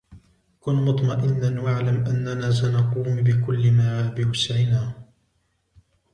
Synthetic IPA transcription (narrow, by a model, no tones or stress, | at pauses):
kʊnmʊt̪ˤmɑʔɪnːanwaʕlamʔanːanaːs̬anɑquːmbɪkʊlːɪmaʕaːbɪwasʕɪnaː